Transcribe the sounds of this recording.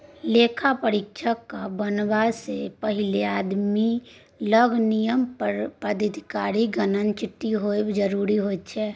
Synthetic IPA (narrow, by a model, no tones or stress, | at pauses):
leːkʰapəɾɪkʃʰəkːabənbasepəɦɪleaːd̪mi | ləɡnijəmpəɾpəd̪ʱəd̪ʱikaːɾiɡənənt͡ʃɪʈːiɦoebd͡ʒəɾuɾiɦot͡ʃʰɛː